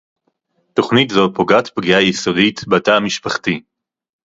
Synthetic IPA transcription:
to̞χnitzopo̞ɡatpɡijajisoditbatamiʃpaχti

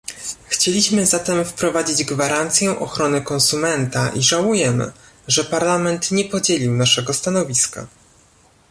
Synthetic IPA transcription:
xt͡ɕelʲiɕmɘzat̪ɛmfpɾɔvad͡ʑid͡ʑɡvaɾant̪sʲjɛʔɔxɾɔnɘkɔ̃nsumɛnt̪aʔiʐawujɛmɘ̰ | ʐɛpaɾlamɛnt̪ɲɛpɔd͡ʑelʲiwnaʂɛɡɔst̪anɔvʲiska̰

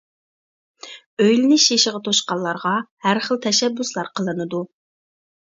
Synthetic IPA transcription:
øjlɪnɪʃjeʃəʁət̪ʰoʃqɑlˠːɑɾʁɑhæɾχəlˠt̪ʰɛʃɛbːuslˠɑɾqʰəlˠɨnɨd̪u

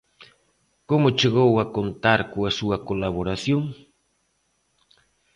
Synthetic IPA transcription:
komʊt͡ʃeɣowakont̪aɾkʊasuwakolaβoɾasjoŋ

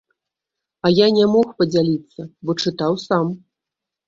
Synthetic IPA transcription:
ɐjanʲɛmɔxpɐd͡zʲalʲit̪sːɐbɔt͡ʂɨt̪awsam

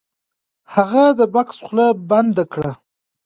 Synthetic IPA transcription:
haɣad̪əbaksχlaband̪akɽa

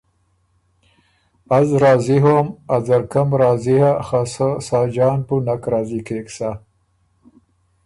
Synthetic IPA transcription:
azɾɑːziɦomazaɾkamɾɑːzihaxasasaːd͡ʒɑːnpunakɾɑːzikeksa

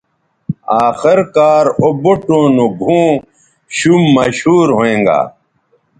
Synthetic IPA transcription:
aːxiɾkaːɾoboʈõːnuɡʱũː | ɕumːɐɕuːɾɦoẽːŋɡa̰ː

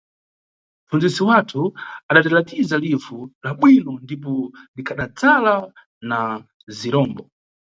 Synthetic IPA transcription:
m̩fund͡zisiwatʰuaɗatalatizalivulaɓwinɔndip̬ɔlikʰaɗat͡sala | na | ziɾɔːmbɔ

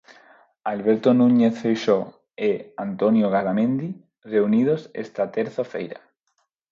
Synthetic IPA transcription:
alβeɾt̪onuɲeθfejʃo | eant̪onjoɣ̞aɾamẽnd̪i | reunið̞osḛst̪at̪eɾθafḛjɾa̰

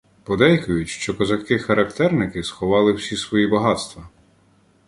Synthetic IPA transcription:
pɔd̪ɛjkʊjʊtʲʃt͡ʃɔkɔzɐkɪxɐɾɐkt̪ɛrnɪkɪsxɔʋɑlˠɪwsʲisʋɔjibɐɦɑt̪st̪ʋɐ

